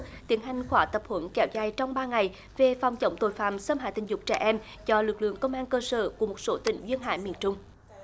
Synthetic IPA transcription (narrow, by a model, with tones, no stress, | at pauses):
t̪i˨˦ənɦa˨˩jŋ̟xwaː˧˩t̪ə˨˩p̚hwə˧˦nkɛ˨˦wzaː˧jt͡ɕɔ˧wŋ͡mɓaː˧ŋa˨˩j | ve˨˩fa˨˩wŋ͡mt͡ɕə̰˧˦wŋ͡mt̪o˧˨˩jfaː˧˨msəː˧mhɦa̰˧˨˩t̪ï˨˩ŋ̟zʊ˨˩k͡p̚t͡ɕɛ̰˧˩ʔɛ˧m | zɔ˧lɨ˨˩k̚lɨ̰˧˨əŋkə˧wŋ͡mʔaː˧nkəː˧sə̰ː˧˩ku˧˩əmo˨˩t̚so˨˦t̪ï˧˩ŋ̟zwi˧ənɦa̰ː˧˩jmḭ˧˨ənt͡ɕʊ˧ŋ͡m